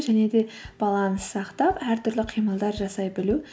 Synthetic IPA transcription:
ʒæne̞d̪e̞b̥ɑlˠɑnəssɑqt̪ɑpæɾt̪ʰʏɾlɪqʰijməlˠd̪ɑɾʒɑsɑjbɪlu

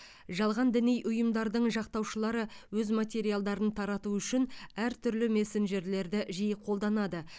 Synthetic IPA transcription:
ʒɑlˠʁɑnd̪ɪnijʔʊjəmd̪ɑɾd̪əɴʒɑq̚t̪ɑwʃəlˠɑɾəwɵzmat̪ʲe̞ɾijalˠd̪ɑɾənt̪ʰɑɾɑt̪uʏʃɪnæɾt̪ʰʏɾlɪme̞senʒe̞ɾle̞ɾd̪ɪʒijəqʰo̞lˠd̪ɑnɑd̪ə

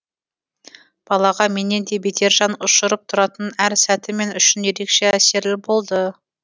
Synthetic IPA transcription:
b̥ɑlˠɑʁɑme̞ne̞nd̪e̞bet̪ʰe̞ɾʒɑnʊʃʊɾəp̚t̪ʰʊɾɑt̪ənæɾsæt̪ɪme̞nʏʃɪnje̞ɾe̞kʃe̞æse̞ɾlɪbo̞lˠd̪ə

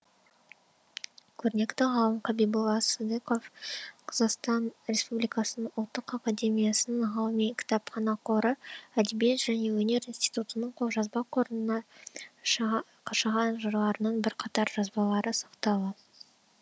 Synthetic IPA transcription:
kʲʰɵɾɪne̞kt̪ɪʁɑlˠəmqʰɑbijbulˠɑsəd̪eko̞fqʰɑzɑqst̪ɑnɾʲe̞spublijkɑsənəʊlˠt̪ːəqakad̪e̞mʲijasənəɴʁɑlˠəmikʲʰɪ̥t̪ɑpχɑnɑqʰoɾəæd̪ebijet̪ʒ̥æne̞wɵne̞ɾinst̪ijt̪ut̪ənəɴqʰoʒɑzbɑqʰo̞ɾənənɑ | qʰʃɑʁɑnʒəɾlˠɑɾənɑnbɪɾqʰɑt̪ɑɾʒɑzbɑlˠɑɾəsɑqt̪ɑw̪ə

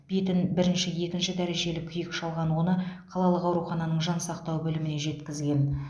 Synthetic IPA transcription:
b̥et̪ɪnbɪɾɪnʃɪje̞kʲɪnʃɪd̪æɾe̞ʒe̞lɪkʲʰʏjɪkʃɑlˠʁɑnwo̞nəqʰɑlˠɑlˠəqɑwɾuχɑnɑnəɴʒɑnsɑqt̪ɑwbɵlɪmɪne̞ʒe̞t̪kʲɪzɡʲe̞n

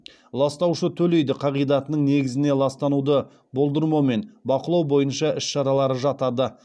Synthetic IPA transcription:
lˠɑst̪ɑwʃət̪ʰɵle̞jd̪ɪqʰɑʁijd̪ɑt̪ənəɴne̞ɡʲɪzɪne̞lˠɑst̪ɑnud̪ə | bo̞lˠd̪əɾmɑme̞nbɑqəlˠɑwbo̞jənʃɑʔɪʃʃɑɾɑlˠɑɾəʒɑt̪ɑd̪ə

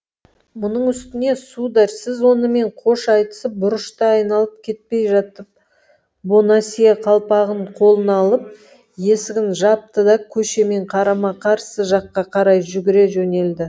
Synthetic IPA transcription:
mʊnəɴʏst̪ɪne̞sud̪ɑɾsɪzwo̞nəme̞ɴqʰo̞ʃɑjt̪ə̥səp̚bʊɾəʃt̪ɑɑjnɑlˠəp̚kʲʰe̞t̪̚pe̞jʒɑt̪əp̚ | bonɑsijɑqʰɑlˠpɑʁəɴqʰo̞lˠənɑlˠəp̚ | je̞sɪɡʲɪnʒɑp̚t̪əd̪ɑkʲʰɵʃe̞me̞ɴqʰɑɾɑmɑqʰɑɾsəʒɑqːɑqʰɑɾɑjʒʏɡʲɪɾe̞ʒɵne̞ld̪ɪ

